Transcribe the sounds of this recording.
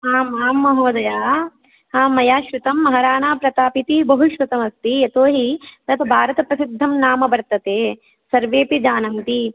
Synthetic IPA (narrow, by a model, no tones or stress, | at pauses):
ɦaːmaːmːɐɦɐʋɐd̪ɐjaː | haːmːɐjaːʃʋut̪ɐmːɐɦɐɾaːɳaːpɾɐt̪aːpit̪ibɐɦuʃʋut̪ɐmɐst̪iɐt̪oːɦit̪ɐt̪ʰɐbʱaːɾɐt̪ɐpɾɐsid̪ʱːɐmnaːmɐbɐɾt̪ɐt̪eː | sɐɾʋeːpid͡ʒaːnɐnt̪i